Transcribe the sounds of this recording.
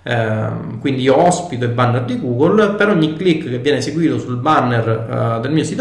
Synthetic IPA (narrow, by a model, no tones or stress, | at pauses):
ɛ | kwind̪iiːoɔspit̪oilbarnːerd̪iɡuːɡolpeɾɔɲːikːlikːkːevːjɛːneseɡwiːt̪osulbarnerd̪elmiːosit̪